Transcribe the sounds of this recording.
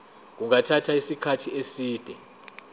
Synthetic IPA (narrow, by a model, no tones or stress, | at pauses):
k̬uŋatʰatʰaisikʰatʰiesiːd̥ʱɛ